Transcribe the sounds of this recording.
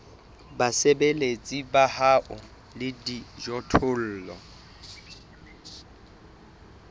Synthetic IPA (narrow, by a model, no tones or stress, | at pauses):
basebelet͡sʼibahaʔʊ | lɪdid͡ʒɔtʰʊl̩ːlɔ